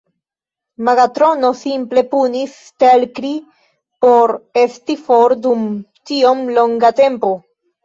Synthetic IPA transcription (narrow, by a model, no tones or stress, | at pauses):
maɡat̪ɾo̞no̞simple̞punis | telkɾi | po̞ɾe̞st̪ifoɾdumtio̞mlo̞ŋɡate̞mpo̞